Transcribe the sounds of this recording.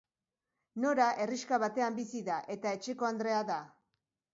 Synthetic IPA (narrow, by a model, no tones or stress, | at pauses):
no̞ɾaʔe̞riskaβat̪e̞ambisiðaʔe̞t̪ae̞t͡ʃe̞ko̞and̪ɾe̞aða